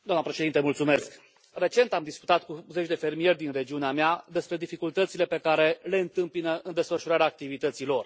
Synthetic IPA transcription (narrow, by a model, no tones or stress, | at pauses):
d̪oamnəpɾe̞ʃed̪int̪emult̪sume̞sk | re̞t͡ʃe̞nt̪amd̪isku̥t̪at̪kuze̞t͡ʃʲd̪e̞fe̞rmije̞rʲd̪inre̞d͡ʒiuneamead̪e̞spɾe̞d̪ifikult̪ət̪sile̞pe̞kaɾe̞le̞ɨnt̪ɨmpinəɨnd̪e̞sfəʃuɾaɾʲaːk̚t̪ivit̪ət̪silo̞r